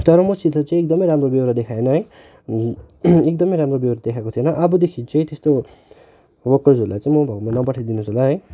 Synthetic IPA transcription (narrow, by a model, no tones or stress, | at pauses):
t̪ʌɾʌmʌsid̪at͡saĩekd̪ʌmʌjɾamrobewɾad̪ekʰaenʌɦʌj | ek̚d̪ʌmʌjɾamrobewɾad̪ekʰakot̪ʰionʌʔʌbʌd̪ekʰit͡sʌĩt̪est̪o | bʌkʌzʱoɾulajt͡sãĩmʌbʱʌɡmanʌpʌʈʰad̪inusolaɦʌj